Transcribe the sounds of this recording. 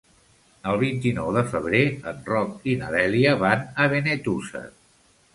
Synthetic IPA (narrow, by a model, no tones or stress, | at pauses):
əlˠβ̞int̪inɔwðəfəβ̞ɾeənrɔkinəðɛliəβanəβ̞enet̪usə̰